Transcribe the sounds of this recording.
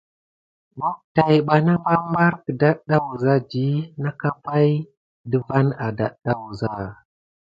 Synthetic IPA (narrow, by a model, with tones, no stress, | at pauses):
bo˦k̚ta˨jɓa˨na˦mba˦mba˦ɾkə˨da˦ɗa˦wu˨za˦d͡ʒi˦na˦ka˦pa˦j | də˦va˦na˨da˨ɗa˦wu˨za˦˨